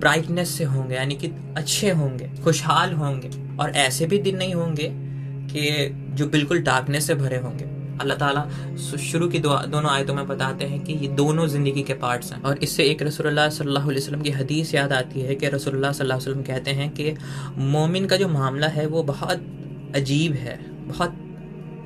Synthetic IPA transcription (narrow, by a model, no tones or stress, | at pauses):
bɾaːɪʈnesːeɦõːŋɡejaːniki | ɐtːʃʰeɦõːŋɡeːxʊʃɦaːlɦõːŋɡeː | ɔ̰ːɾʔɛːsebʱid̪ɪnːɐɦĩɦõːŋɡe | ke | d͡ʒoːbɪlkʊlɖaːknesebʱɐɾeɦõːŋɡeː | ɐlːaɦt̪aːla | ʃʊɾukid̪ʊa̰d̪oːnõaːjt̪õmẽbɐt̪aːt̪eɦɛ̃kijed̪oːnõzɪ̃nd̪əɡikepaːɾʈsɦɛ̰̃ɔːɾɪsːeeːkɾɐsuːlʊlːasɐllːaːɦʊɐljosələmkiɦɐd̪iːsjaːd̪aːt̪iɦɛkeɾɐsuːlʊlːasɐlːaːɦjsəlːəmkɛɦt̪eɦɛ̃kemɔːmɪnkad͡ʒoːmaːmlaɦɛʋobɐɦɔt̪ | ɐd͡ʒiːbɦɛ̰ː | bɐhɔt̪̚